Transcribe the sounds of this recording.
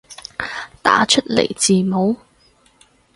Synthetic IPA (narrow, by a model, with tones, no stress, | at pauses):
t̪a̰ː˨˥t͡ʃʰɵ˥t̚lḛ˨˩jt͡siː˨mo˨˥w